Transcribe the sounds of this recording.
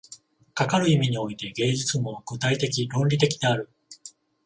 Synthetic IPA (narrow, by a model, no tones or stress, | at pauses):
kakaɾɯ̟imʲiɲ̟io̞it̪e̞ɡe̞ːd͡ʑit͡sɨmo̞ɡ̥ɯ̟t̪ait̪e̞kʲiɾõ̞nɾʲit̪e̞kʲi̥d̪e̞aɾɯ̟